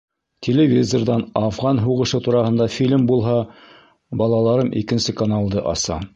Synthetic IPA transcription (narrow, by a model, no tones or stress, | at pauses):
t̪ʲʰelʲevʲizord̪ɑnɑfʁɑnɦuʁɤ̆ʃɤt̪uɾɑhɤ̆nd̪ɑfʲilʲmbulˠɦɑ | bɑlˠɑlˠɑɾɤmʔḭkɘ̆nsɘkɐnɑlˠd̪ɤʔɑ̰sɑ̰